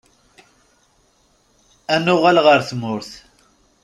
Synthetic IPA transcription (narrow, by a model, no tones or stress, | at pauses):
ænʊʁælʁəɾθmʊɾθ